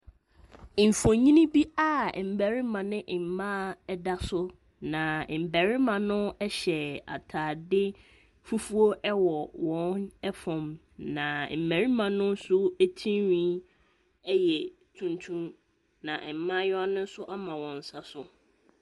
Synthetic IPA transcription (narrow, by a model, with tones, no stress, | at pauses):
m̩˨fɔ̃˨ɲĩ˦nĩ˦bi˦a˦˨m̩˨bæ˨ɾi˦mã˨nɪ̃˦ʔm̩˨mã˦da˦sʊ˦ | nã˨m̩˨bæ˨ɾɪ˦mã˨nʊ̃˦ɛ˦ɕɛ˨a̰˨tʰaː˨dɪ˦ | fu˦fu˦o˦ʔɛ˦wɔ˨wɔ̃˦nɛ˦fɔ̃˨m | nã˨m̩˨mæ̃˨ɾi˦mã˨nʊ̃˦n˦sʊ˦æ˦tʰĩ˦ɥĩ˦ | ɛ˦jɛ˨ | tʰũ˨ntʰũ˦m | nã˨ʔɛ˨m̩˨mã˦jɔ˦a˦nʊ̃˦n̩˦sʊ˦ʔa˦mã˨wɔ̃˨n˨sa˦sʊ˨